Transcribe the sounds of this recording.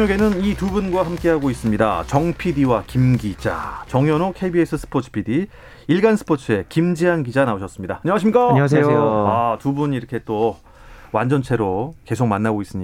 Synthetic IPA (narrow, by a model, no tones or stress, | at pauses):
oɡe̞nɯnitubunɡwahamk͈e̞ɦaɡois͈ɯmɲida̰t͡ɕʌŋpʰidiwakimɡid͡ʑa̰t͡ɕʌŋjʌnokʰe̞biesʰɯsʰɯ̥pʰot͡ɕʰɯ̥pʰidi | iɭɡansʰɯ̥pʰot͡ɕʰɯe̞kimd͡ʑianɡid͡ʑanaoɕʰʌs͈ɯmɲidaaɲʌŋaɕimɲik͈aaseejoatubuniɾʌkʰe̞t͈o | wand͡ʑʌnt͡ɕʰe̞ɾoke̞sʰok̚manːaɡois͈ɯmɲi